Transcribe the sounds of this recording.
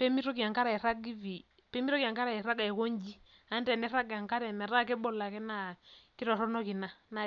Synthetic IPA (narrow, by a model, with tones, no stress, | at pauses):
pɛ˦mi˦ɾɔ˦ki˨a˨ŋka˦ɾa˨ɛ˨ɾa˦ɡi˦vi˨ | pɛ˦mi˦ɾɔ˦ki˨a˨ŋka˦ɾa˨i˨ɾa˦ɡa˨ko˦ɲd͡ʒi˦ | a˦ntɛ˨nɛ˦ɾa˦ɡa˨ŋka˦ɾɛ˨mɛ˨ɾa˦˨kɛ˦bɔ˦˨la˨kɛ˦na˦˨ki˦ɾɔ˨ɾɔ˦nɔ˦ki˨na˦na˨